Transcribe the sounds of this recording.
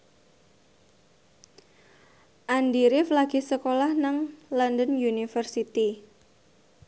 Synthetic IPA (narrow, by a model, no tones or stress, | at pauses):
ʔandiɾɪflaɡ̥i̤səkolahnaŋlɔndənjunifərsit̪i